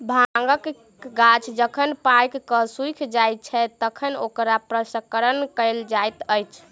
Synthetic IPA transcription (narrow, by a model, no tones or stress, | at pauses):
bʱaŋɡək | ɡat͡ʃʰd͡ʒəkʰənpajkkəsujkʰd͡ʒaj̚t͡ʃʰɛt̪əkʰənokɾapɾəsəkəɾənkəɪld͡ʒajt̪əjt͡ʃʰ